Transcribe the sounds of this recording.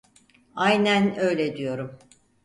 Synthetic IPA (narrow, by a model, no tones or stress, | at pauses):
ajnænø̞jlʲed̪ijo̞ɾum